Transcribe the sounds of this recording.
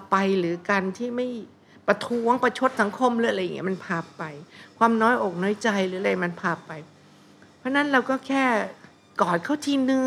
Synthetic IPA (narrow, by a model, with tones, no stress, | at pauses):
pa˧jɾɯː˩˦kaː˧nt̪ʰiː˥˩ma˥˩j | pɾa˧t̪ʰu˦˥əŋpa˧jt͡ɕʰo˦˥t̪̚sa˩˦ŋkʰo˧mɾɯː˦˥a˨ɾa˧jːŋi˦˥ma˧npʰaː˧˩ppa˧jkʰwaː˧mnɔː˦˥jʔoː˨˩k̚nɔː˦˥jt͡ɕa˧jɾɯː˦ʔːa˨˩ma˧npʰaː˧˩p̚pːa˧j | pʰɾɔ˦˥na˦˥nɾa˧wkɔː˥˩kʰɛː˥˩ | kɔː˨˩t̪̚kʰa˦˥˩wt̪ʰiː˧nɯ˧